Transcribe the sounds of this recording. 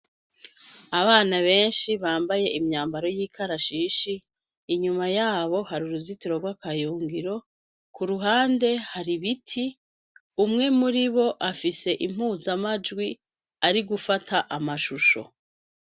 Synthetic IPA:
aβaːnaβe̞ːnʃiβaːmbaje̞ʔimɲaːmbaɾo̞jiːkaɾaʃiːʃiː | ɲumajaːβo̞haɾuɾuzitiɾoɡwakajuːŋɡiɾo̞ | kuɾuɦaːnde̞haɾiβitʰi | umŋe̞muɾiβo̞ʔafise̞ʔim̥huːzamad͡ʒɡwi | aɾiɡufatʰaʔamaʃuʃo̞̰

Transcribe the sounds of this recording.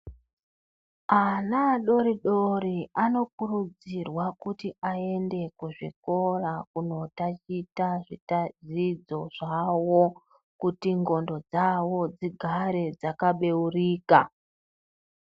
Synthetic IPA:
anaɗo̞ɾiɗo̞ɾiano̞kurud͡zirwakutiʔae̞nde̞kuʐḭko̞rakuno̞tat͡ʃitaʐitad͡zid͡zo̞ʐawo | kutiŋɡo̞ndo̞d͡zawo̞d͡ziɡʱaɾe̞d͡zakaɓe̞uriːka

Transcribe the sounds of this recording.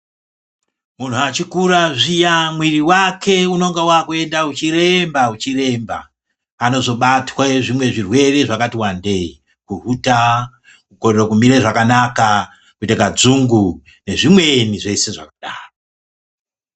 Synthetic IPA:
mun̤uat͡ʃikuɾaʐijamwiriwakʰe̞uno̞ŋɡawakue̞ndaut͡ʃiɾe̞mbaut͡ʃire̞mba̰ | ano̞zo̞ɓatwaʐimwe̞ʐirwe̞re̞ʐakatiwandei | kuruta | kukorerokumiɾeʐakanaka | kutekad͡zuŋɡu | ne̞ʐimwe̞niʐe̞se̞ʐa̰kaɗaːro

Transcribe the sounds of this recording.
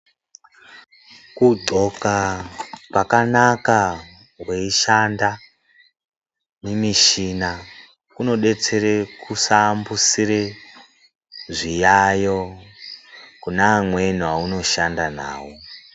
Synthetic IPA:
kudʱo̞ka | pakanaka | we̞iʃanda | nemiʃina | kuno̞ɗe̞t͡se̞ɾekusambusiɾe | ʐijajo̞ | kunamwe̞n̤uwauno̞ʃandana̰ːwo

